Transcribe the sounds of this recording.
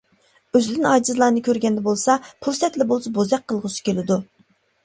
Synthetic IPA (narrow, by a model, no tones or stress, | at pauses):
øzlɪd̪ɪnɑːd͡ʒizlˠɑːnɨkʲʰøɾɡʲɛnd̪ɛbolˠsɑpʰulˠsɛt̪lɪbolˠsɑbozɛq̚qʰːəlˠʁʊsi̥kʲʰelɪd̪u